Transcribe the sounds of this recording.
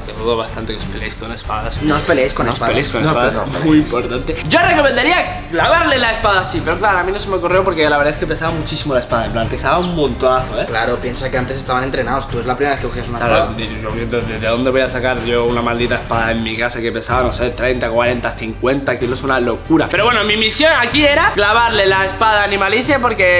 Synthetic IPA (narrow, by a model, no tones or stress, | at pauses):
t̪eðuðoβast̪ant̪ekeo̞speleejskone̞spaðasnoospeleajskonospaeleskonensopaðasmuimpo̞ɾt̪ant̪e̞ɟ͡ʝorekomend̪aɾia | laβaɾlelaespaðasipe̞ɾoklaɾoamĩnosemekoreopoɾkelaβeɾðaeskepesaβamut͡ʃisimolae̞spaðaemplanpe̞saβaummõnt̪onaθoeklaɾopje̞nsakeant̪e̞sest̪aβanent̪ɾenaost̪uezlapɾimeβekekoxias̬unaaad̪e | oβjent̪oðezðeðo̞nd̪e̞βo̞jasakaɾʝo̞unamald̪it̪aespaðaenmikasake̞pe̞saβanoset̪ɾe̞jnt̪akwaɾe̞nt̪aθiŋkwe̞nt̪akilosunalo̞kuɾapeɾoβwenomimisjo̞nakie̞ɾaklaβaɾlelaespaðanĩmaliθjapo̞ɾke̞